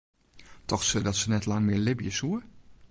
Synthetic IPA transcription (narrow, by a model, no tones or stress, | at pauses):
tʰɔxsødɑtsənɛtlɑŋmɪːɹlɪbijəsuə